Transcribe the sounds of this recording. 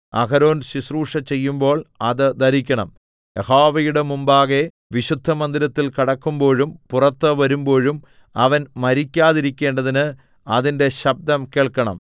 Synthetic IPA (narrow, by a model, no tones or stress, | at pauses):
ɐ̰ɣɐɾo̞ːnɕisruːʂɐt͡ɕe̞jːumbo̞ːɭɐðɨd̪ɐɾikʲːɐɳɐm | ehaːʋɐjuɽemumbaːɣe | ʋiɕud̪ʱːɐmɐnd̪iɾɐt̪ːilkiɽɐkːumbo̞ːɻumpurɐt̪ːɨʋɐɾumbo̞ːɻum | ɐʋɐnmɐɾikʲːaːðiɾikʲːe̞ːɳɖɐðinɨ | ɐðinde̞ɕɐb̚d̪ɐmkeːɭkːɐɳɐ̰m